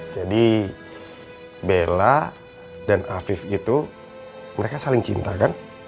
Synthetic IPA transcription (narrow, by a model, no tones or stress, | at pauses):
d͡ʒadi | bela | danafɪfit̪u | məɾekasalɪŋt͡ʃḭnt̪akan